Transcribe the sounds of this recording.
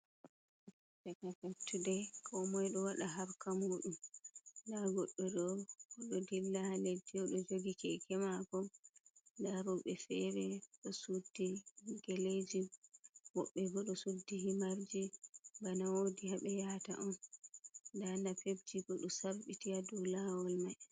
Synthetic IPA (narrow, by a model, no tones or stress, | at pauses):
takafaptːudɛkʰɔmɔjɗɔwaɗaɦaɾkamuːɗumdaɡɔɗːɔɗɔɡɔɗɔdilːahaled͡ʒːɛɔɗɔd͡ʒoɡikɛkɛmakɔ | ndaɾɔɓɛfɛɾɛɗɔsudːiɡeled͡ʒiwɔɓːɛɡɔɗɔsudːihimaɾd͡ʒibanawodihaɓɛjata̰ʔɔn | ndandafeb̚d͡ʒiɡɔɗɔsaɾɓitiadɔlawɔlmaj